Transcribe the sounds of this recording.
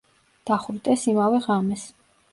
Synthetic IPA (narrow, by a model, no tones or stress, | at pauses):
d̪̥aχuɾd̪ʼɛsimavɛʁamɛs